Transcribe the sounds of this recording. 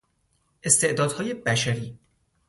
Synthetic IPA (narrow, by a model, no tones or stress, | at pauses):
ʔe̞st̪ʰe̞ʔd̪ɒːd̪hɒːje̞bæʃæɾiː